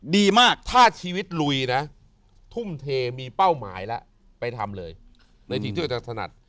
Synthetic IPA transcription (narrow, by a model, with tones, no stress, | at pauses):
diː˧maː˥˩k̚t̪ʰaː˥˩t͡ɕʰiː˧wi˦˥t̪̚lu˧jna˦˥ | t̪ʰu˥˩mt̪ʰeː˧miː˧pa˥˩wma̰ː˩˦jlɛ˦˥ʔ | pa˧jt̪ʰa̰˧mlɤː˧j | na˧jt̪ʰiː˨˦i˥˩˨t͡ɕa˨˩t̪ʰa˧na̰˨˩t̪̚